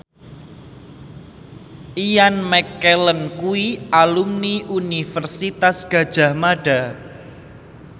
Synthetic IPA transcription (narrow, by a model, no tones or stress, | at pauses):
ʔijanmɛkɛlənkuiʔalumniʔunifərsit̪asɡ̥a̤̥ʒ̥a̤hmaɖ̥a